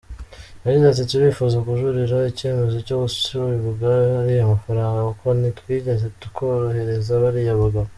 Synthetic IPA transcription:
aɾinatituɾiːfozakuʒuɾiɾaicienuzocoɡusu̥siɾuβiβuɡaaɾijamafaɾaːŋɡakakonitwiːɟeze̞tukoɾohe̞ɾe̞zaβaɾijaβuɡa

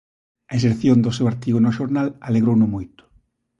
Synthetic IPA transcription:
ɐeseɾθjond̪ʊsewaɾt̪iɣonʊʃoɾnalaleɣɾownʊmojt̪ʊ̥

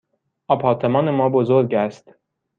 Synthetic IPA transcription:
ʔɒːpʰɒːɾt̪ʰe̞mɒːne̞mɒːbozoɾɟæst̪

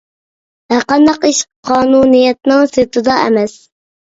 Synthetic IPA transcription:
hæɾqɑnd̪ɑqiʃqʰɑːnunijɛt̪̚nɪŋset̪ʰɨd̪ɑʔɛ̰mɛs

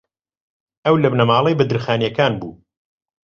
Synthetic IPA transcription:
ɐwlɐbnɐmaːlˠejbɐd̪ɨɾxaːnjɐkaːnbṵː

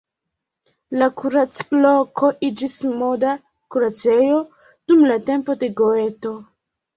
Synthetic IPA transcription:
lakuɾat͡slo̞kʰo̞ʔid͡ʒismoda | kuɾat͡se̞jo̞ | d̥umlate̞mpo̞de̞ɡo̞e̞to̞

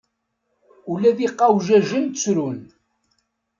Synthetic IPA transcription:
ulæðiqːɑwʒæʒənt̪t͡sɾun

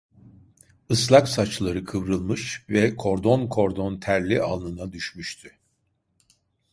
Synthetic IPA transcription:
ɯslˠaksat͡ʃlˠaɾɯkʰɯvɾɯlˠmɯʃvɛkʰo̞ɾd̪o̞nkʰo̞ɾd̪o̞nt̪ʰæɾlʲiʔalˠnɯnad̪yʃmyʃt̪ʰy

